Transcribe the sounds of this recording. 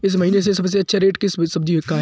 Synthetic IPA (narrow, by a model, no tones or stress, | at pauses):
ɪs̬mɐɦiːnes̬esɐbs̬eɐtːʃʰaɾeːʈkissɐb̚d͡ʒiɦɪkːaɦ